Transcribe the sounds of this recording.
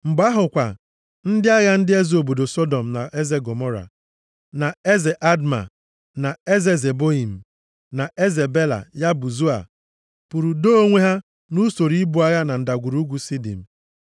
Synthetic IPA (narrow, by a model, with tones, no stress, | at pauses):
ŋ͡m̩˨ɡ͡ba˦ɦʊ˨kʷa̰˨ | n̩˦dɪ˦a˦ɣa˦n̩˦dɪ˦e˦zo˨bo˨do˨sɔ˦dɔ˨m̩˨na̰˨ʔe˦ze˦ɡo˨mɔ˦ɾa̰˨ | na˨e˦ze˨ʔa˦dma̰˨ | na˨e˦ze˦ze˨bo˦i˨m̩˨ | na˨ʔe˦ze˨be˦la̰˨ja˦bu˨zu˦a̰˨ | pu˨ɾu˨do˦o˦ŋʷe˦ɦa˦ | nu˦so˨ɾi˦bu˦a˦ɣa˦na˨n̩˨da˨ɡʷu˨ɾu˦ɡʷu˦si˦dḭ˨m̩˨